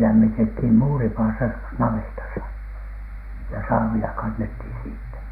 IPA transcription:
læmːitethiˑm muːripɑːsɑ nɑʋetɑsɑ jɑ sɑːʋilɑ kɑnːethiˑn siːtːæ

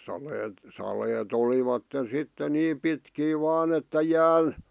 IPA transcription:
sɑleːt sɑleːt oliʋɑtːen̞ sitːe niːm pitkiː ʋɑːn etːæ jæːn

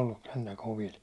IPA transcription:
olːus sentæ koʋil

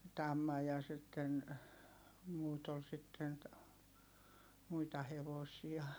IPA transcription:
tɑmːɑ jɑ sitːen muːt ol sitːen muitɑ heʋosiɑ

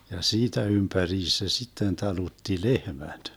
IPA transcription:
jɑ siːtæ ympæriːs se sitːen tɑlutːi lehmæd̥

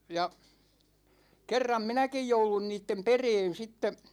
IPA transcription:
jɑ kerːɑm minækij joulun niːtːem pereːn̞ sitːe

